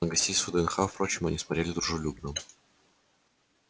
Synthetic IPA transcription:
əɡɐsʲtʲejsəd̪əɛnxafpɾot͡ɕɪmɐ̰nʲismɐt̪ɾʲelʲɪd̪ɾʊʐɨlʲubnəm

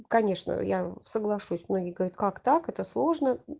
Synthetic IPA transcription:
kɐnʲeʂnə̰jasəɡlˠɐʂusʲmnoɡʲɪɪɡəvɐɾʲat̪kakt̪akɛt̪əslˠo̞ʐnə

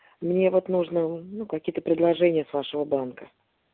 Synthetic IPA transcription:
mnʲevo̞t̪nuʐnənukɐkʲijət̪əpɾʲɪd̪lˠɐʐɛnʲɪjəsvaʂɨvəbankə

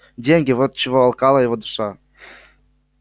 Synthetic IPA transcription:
dʲeŋʲɡʲɪvot̪̚t͡ɕɪvoːlˠkɑlˠəjɪvod̪uʃɑ

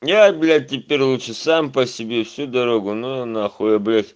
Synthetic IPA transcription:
jabʲlʲat̚ʲtʲːɪpʲeɾʲlˠut͡ʃɨsampɐsʲɪbʲefsʲud̪ɐɾoɡʊnoɐnaxojɐblʲatʲ

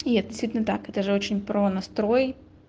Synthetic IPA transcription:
jɛd̪ʲɪst̪ʲit̪ʲlʲnɐt̪akɛt̪ɐʐɛot͡ʃɪnʲpɾɔnɐst̪ɾɔj

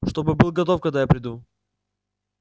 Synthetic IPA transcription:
ʂt̪o̞bɨbɨlˠɡɐt̪ofkɐɡ̚d̪ajapɾʲɪd̪u

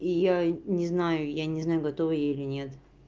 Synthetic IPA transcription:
ijanʲɪznajʊjanʲɪznajʊɡɐt̪ovɨjeɪlʲɪnʲet̪

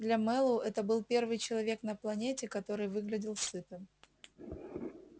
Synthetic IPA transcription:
d̪lʲɐmɛlˠʊʔɛt̪əbɨlˠpʲe̞rvɨjt͡ɕɪlˠɐvʲe̞knəplˠɐnʲetʲɪkɐt̪o̞ɾɨjvɨɡlʲɪdʲɪlˠsɨt̪ɨm

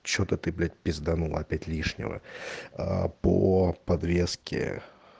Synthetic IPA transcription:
t͡ɕot̪ət̪ɨblʲæt̚ʲbʲɪzd̪ɐnuɐpʲætʲlʲiʂnʲɪ̰və̰apopɐd̪ɾʲeskʲɪ̰

